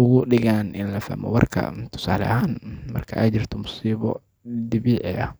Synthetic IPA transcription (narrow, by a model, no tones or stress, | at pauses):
ʊɣʊɗɪɣaːnʔɪnlɐfa̰ːmɔ̰wɐrkʰɐ̰t̪ʰʊ̥saːlɐ̰haːnmɐ̰rkʰɐʔaːt͡ʃɪrt̪ʰɔmʊsiːβɔ | d̪ɪβiːʕɛɐ